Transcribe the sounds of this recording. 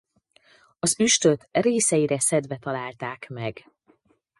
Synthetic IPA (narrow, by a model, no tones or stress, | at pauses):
ɒzyʃt̪ø̞t̪reːsɛjiɾɛsɛd̪vɛt̪ɒlaːlt̪aːkmɛɡ